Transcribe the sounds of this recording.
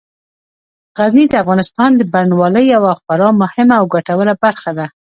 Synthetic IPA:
ɣaznid̪əafɣɑnɪst̪ɑnd̪əbaɾnwɑləjawaxbɑɾɑmʊhɪmaːwɡaʈawəlabaɾxad̪a

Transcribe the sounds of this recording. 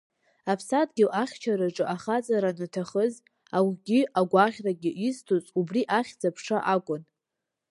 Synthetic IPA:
apʰsadɡʲɪlaχʲt͡ʃʰaɾaʈ͡ʂʼɨʔaχat͡sʼaɾanɨtʰaχəz | awɡʲɪʔaɡʷaʁʲraɡʲɪʔistʰot͡sʼubriʔaχʲd͡zapʰʂaʔakʷʼʊn

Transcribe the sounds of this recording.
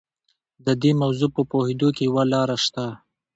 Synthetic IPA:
d̪əd̪emawzupəpohed̪okejwalɑɾaʃt̪a

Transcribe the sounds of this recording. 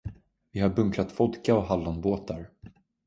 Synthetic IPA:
vɪɦaɾbɵŋklat̪fɔd̪kaɔɦalːanboːt̪aɾ

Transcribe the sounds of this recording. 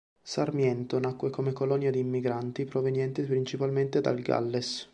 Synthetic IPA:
sarmjɛnt̪onakːwekomekolɔnjad̪iːmːiɡɾant̪ipɾovenjɛnt̪epɾint͡ʃipalment̪ed̪a̰lɡa̰lːes

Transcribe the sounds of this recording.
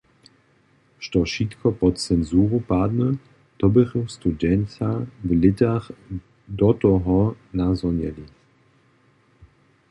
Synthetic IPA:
ʃtɔʃit̪kʰɔpɔtt͡sɛnzuːʁupad̪nə | d̪̥ɔbəʁust̪udɛntavəlɪtaχ | d̪ɔt̪ɔɦɔ | nazɔnjɛli

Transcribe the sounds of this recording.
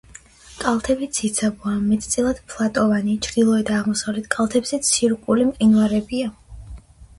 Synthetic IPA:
kʼalˠt̪ʰɛbit̪sʰit̪sʰabuamɛt̪ʰt̪sʼilˠad̪̥pʰlˠat̪ʼɔvanit͡ʃʰɾd̪ilˠɔɛd̪aːʁmɔsavlɛt̪ʰkʼalˠt̪ʰɛbzɛt̪sʰiɾkʼulimqʼinvaɾɛbia

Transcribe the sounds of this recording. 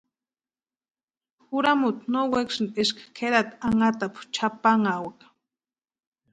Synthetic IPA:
xuɾamut̪nowekʃɨnd̪ʼeʃkḁkʰeɾat̪aŋat̪apu̥t͡ʃapaŋawak

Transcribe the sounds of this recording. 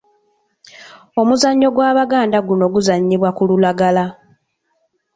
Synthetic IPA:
o̞muzaɲːo̞ɡwaːβaɡaːndaɡuno̞ɡuzaɲːiβwakululaɡala

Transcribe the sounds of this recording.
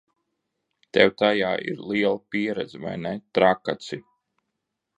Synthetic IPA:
t̪ɛwt̪ajaːʔḭɾlˠiɛlˠapiɛɾɛd̪zva̰jnɛt̪ɾakat̪si

